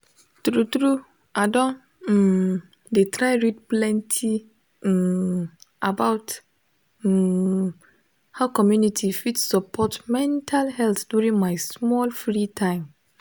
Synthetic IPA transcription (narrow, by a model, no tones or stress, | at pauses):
tɾutɾu | adɔ̃n̩ | detʰɾaɪɹid̚plɛ̃ntʰi | abaʊt | haʊkʰɔmjunitʰifitssɔpʰɔtmɛ̃ntʰalhɛlθduɹĩnmãɪsmɔlfɹitʰãɪ̃m